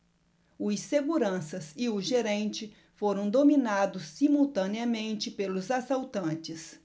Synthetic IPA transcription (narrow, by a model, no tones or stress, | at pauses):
ʊseɡuɾɐ̃sɐsɪʊʒeɾẽnt͡ʃɪ | foɾɐ̃w̃d̪ominad̪ʊsːimuwt̪ɐ̃niɐmẽnt͡ʃɪpelʊzasawt̪ɐ̃t͡ʃɪs